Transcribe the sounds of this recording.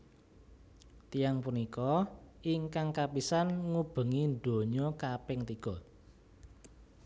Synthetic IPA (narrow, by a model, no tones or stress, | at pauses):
t̪ijaŋpunikɔiŋkaŋkapisanŋub̥ə̤ŋinɖ̪o̤ɲɔkapɛŋt̪iɡ̥ɔ̤